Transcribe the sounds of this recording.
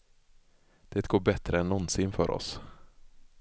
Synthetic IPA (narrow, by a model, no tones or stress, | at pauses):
d̪̥ɛːt̪ɡoːɾbɛt̪ɾəɛnːɔnːsɪnfœ̰ːɾʔɔ̰s